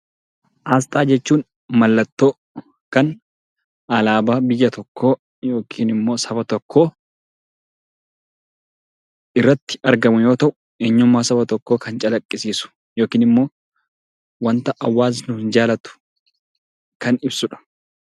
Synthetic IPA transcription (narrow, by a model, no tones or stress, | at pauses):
ʔaːst̪ʼaːd͡ʒɛt͡ʃːuːn | mɐlːɐt̪ːo̞ː | kɐn | ɐlaːbaːbɪjːɐt̪ɔkːo̞ː | jo̞ːkʰiːnɪmːo̞ːsɐbɐt̪ɔkʰːo̞ː | ʔɪrːɐt̪ːɪ̥ɐɾɡɐmʊjoːt̪ɐʔʊ̥ | eːɲːʊmːaːsɐbɐt̪ɔkːo̞ːkɐnt͡ʃʼɐlɐkʼːɪsiːsʊ̥ | joːkiːnɪmːo̞ː | wɐnt̪ɐʔɐwːaːs̬nʊhɪnd͡ʒaːlɐt̪ʊ̥ | kɐnɪbsʊᶑɐ̥